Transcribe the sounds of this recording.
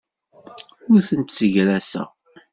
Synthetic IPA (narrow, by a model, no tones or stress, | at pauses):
ʊɾθənt̪səʝɾæsæ̰